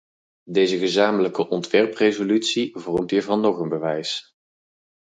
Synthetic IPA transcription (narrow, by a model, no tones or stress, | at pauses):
dejzəɣəzaːmələkəʔɔntʋɛrprezolytsivɔrəmtiːɹvɑnːɔχənbəʋɛjs